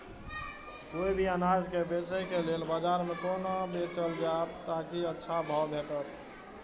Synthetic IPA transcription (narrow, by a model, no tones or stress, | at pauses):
koibʱiənad͡ʒkebesəkelelbad͡ʒaɾmekonobet͡ʃəld͡ʒat̪t̪akiətːʃʰabʱɔbʱeʈət̪